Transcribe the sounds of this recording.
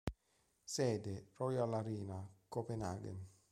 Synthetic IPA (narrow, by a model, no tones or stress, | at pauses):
sɛːd̪erɔjalaɾiːnakopenaːɡḛn